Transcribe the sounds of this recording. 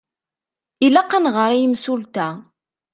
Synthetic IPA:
ilæqːanʁəɾijimsult̪æ

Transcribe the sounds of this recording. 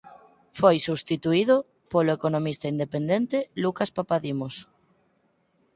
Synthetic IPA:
fojsust̪it̪uiðo | poloekonomist̪aind̪epend̪ent̪elukaspapaðimos

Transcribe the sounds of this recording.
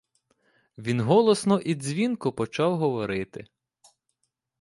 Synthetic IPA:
ʋʲinɦɔlˠɔsnɔʔid̪ʲzʲʋʲinkʊpɔt͡ʃɑwɦɔʋɔɾɪt̪ɪ̰

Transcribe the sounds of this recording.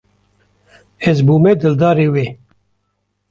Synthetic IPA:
ezbuːmed̪ɨld̪ɑːɾewe

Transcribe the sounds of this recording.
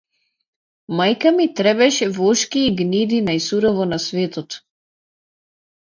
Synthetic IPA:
majkamit̪ɾɛbɛʃɛvɔʃkiːɡnid̪inajsuɾɔvɔnasvɛt̪ɔt̪

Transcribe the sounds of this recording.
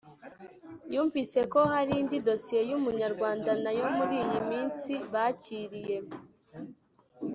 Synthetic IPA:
juːɱvise̞ko̞haɾindido̞sie̞jumuɲaɾɡwaːndanajo̞muɾiːjimiːnt͡siβaciːɾije̞

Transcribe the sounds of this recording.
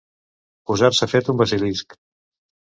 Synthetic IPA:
puzaɾsəfet̪umbəzilisk

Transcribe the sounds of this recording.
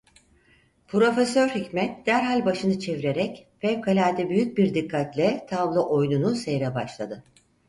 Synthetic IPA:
pʰɾo̞fesøɾhicmɛt̪̚d̪̥æɾɦalʲbaʃɯnɯt͡ʃʰe̞viɾe̞ɾɛcfɛvkʰalʲaːt̪ʰɛbyjyc̚biɾd̪ikʰːat̪lʲɛt̪ʰavlˠɯʔo̞jnunusejɾɛbaʃlˠad̪ɯ

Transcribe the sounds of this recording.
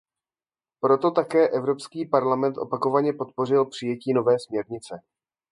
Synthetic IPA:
pɾo̞t̪o̞t̪akɛːʔɛvɾo̞pskiːpaɾlamɛnt̪ʔo̞̰pako̞vaɲɛpo̞t̪̚po̞r̝ɪlpr̥ɪjɛciːno̞vɛːsmɲɛɾɲɪt͡sɛ

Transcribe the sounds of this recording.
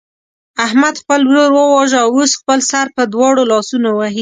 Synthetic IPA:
ahmad̪xpəlwɾoɾwəwɑʒəawosxpəlsaɾpəd̪wɑɽolɑsunowaɦi

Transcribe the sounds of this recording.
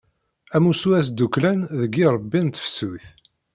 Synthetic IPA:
æmusuæs̬d̪ːuklænðəɡiɾˤəbːint̪ə̥fsuθ

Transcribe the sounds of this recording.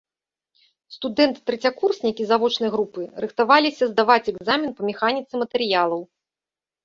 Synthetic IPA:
st̪ud̪ɛnt̪ɨt̪ːɾɛt͡sʲakursʲnʲikʲizavɔt͡ʂnɐjɣɾupɨɾɨxt̪avalʲisʲɐzd̪avat͡sʲɛɡzamʲinpɐmʲɛxanʲit̪sɨmɐt̪ɛɾɨjalˠɐw

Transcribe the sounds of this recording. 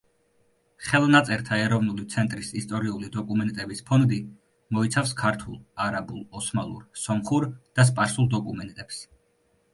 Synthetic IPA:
χɛlˠnat̪sʼɛɾt̪ʰaɛɾɔvnulit̪sʰɛnt̪ʼɾisist̪ʼɔɾiulid̪ɔkʼumɛnt̪ʼɛbispʰɔnd̪i | mɔit̪sʰafskʰaɾt̪ʰulˠaɾabulˠɔsmalˠṵɾsɔmχuɾd̪̥as̬pʼaɾsulˠd̪ɔkʼumɛnt̪ʼɛps

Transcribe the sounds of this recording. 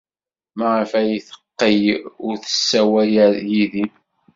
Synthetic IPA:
mæʁəfæjiθə̥qːəjʊɾθə̥sːæwæjæjiðin

